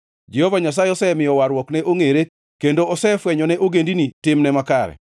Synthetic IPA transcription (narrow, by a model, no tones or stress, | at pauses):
d͡ʒɛhɔvaɲas̬ajeɔsɛmɪjɔwaɾwɔknɛʔoŋeɾe | kendoɔsɛfwɛɲɔnɛʔoɡendinitɪmnɛmakaɾɛ̰